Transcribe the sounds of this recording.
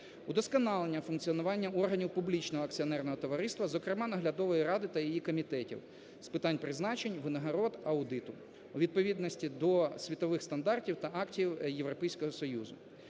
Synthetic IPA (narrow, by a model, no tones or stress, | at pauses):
ud̪ɔskɐnɑlˠenʲːɐfʊnk̪t͡sʲiɔnʊʋɑnʲːɐɔrɦɐnʲiwpublʲit͡ʃnɔɦɔɐkt͡sʲiɔnɛrnɔɦɔt̪ɔʋɐɾɪst̪ʋɐzɔkɾɪmɑnɐɦlʲɐd̪ɔʋɔjiɾɑd̪ɪt̪ɐjijikɔmʲit̪ɛtʲḭw | spɪt̪ɑnʲpɾɪznɑt͡ʃenʲʋɪnɐɦɐɾɔd̪ɐʊd̪ɪt̪ʊ | uʋʲid̪̚pɔʋʲid̪nɔsʲtʲid̪ɔsʲʋʲit̪ɔʋɪxst̪ɐnd̪ɑrtʲiwt̪ɐʔɑktʲiwjewɾɔpɛjsʲkɔɦɔsɔjuzʊ̰